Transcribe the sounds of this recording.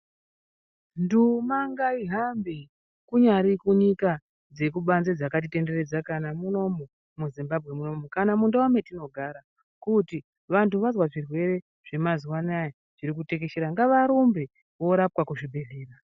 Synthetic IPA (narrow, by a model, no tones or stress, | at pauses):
ndumaŋɡaiɦambe | kuɲaɾikuɲika | d͡ze̞k̬uɓanzed͡zakat̬ite̞nde̞red͡zakanamuno̞mu | muzimbabʱɣe̞muno̞mukanamundaome̞tino̞ɡʱaɾa | kuti | ʋantʰuʋazwaʐirwe̞ɾe̞ | ʐ̥e̞maziwanaja | ʐ̥iɾikute̞ke̞ʃeɾaŋɡaʋaɾumbe | ʋo̞ɾapkwakuʐibʱe̞ɮiːra